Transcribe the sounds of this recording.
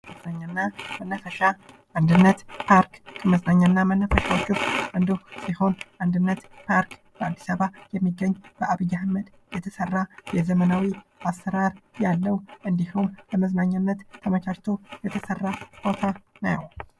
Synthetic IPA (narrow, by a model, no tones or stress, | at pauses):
məznaɲːanːamənːəfəʃa | ʔand̪ɨnːət̪pʰaɾkkʰəməznaɲːanːamənːəfəʃawot͡ʃːusʔənd̪osiho̞nʔand̪ɨnːət̪pʰaɾk | b̥əad̪ːisaβajɛmːiɡːəɲːb̥əaβɨjːahməd̪ | jɛt̪ʰəsərːajɛzəmənawiasːəɾaɾjalːəwʔɨnd̪ihumbəməznaɲːanːət̪ːʰəmət͡ʃʰaʃt̪ʰojɛt̪ʰəsərːakot̪ʰanaj̰w